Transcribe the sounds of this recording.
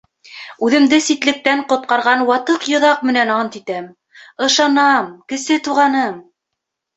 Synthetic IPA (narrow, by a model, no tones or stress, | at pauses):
ʉðɘ̆md̪ɘsit̪lɘ̆k̚t̪æɴqŏt̪̚qɑɾʁɑnwɑt̪ɤqjŏðɑq̚mɘ̆nænɑnt̪it̪æm | ɤ̆ʃɑnɑmkɘ̆sɘt̪uʁɑnɤm